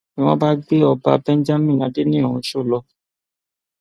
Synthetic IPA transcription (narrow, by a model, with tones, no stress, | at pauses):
ĩ˨w̃ɔ̃˦ba˦ɡ͡be˦ɔ˧ba̰˧bɛ̃˦n˦d͡ʒa˦mĩ˦˨a˨˧de˦nĩ˦õ˨ũ˧˦ʃo˦˨lɔ˧